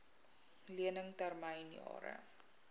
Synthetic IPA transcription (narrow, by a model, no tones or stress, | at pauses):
liənəŋtærməjnjɑ̰ːɾə̰